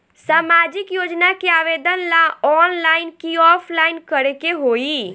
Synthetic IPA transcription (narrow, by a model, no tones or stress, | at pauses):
saːmaːd͡ʒɪkjoːd͡ʒnakeaːʋeːd̪ənlaɔːnlaːɪnkiɔːpʰlaːɪnkəɾekeɦoːi